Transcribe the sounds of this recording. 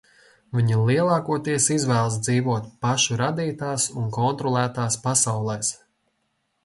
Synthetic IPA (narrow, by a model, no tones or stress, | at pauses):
vʲiɲilˠiɛlˠɑːkuɔt̪iɛsizvæːlˠs̬d̪ziːvuɔt̪̚paʃuɾad̪iːt̪aːsunkɔnt̪ɾɔlˠæːt̪aːspasawlˠɛjs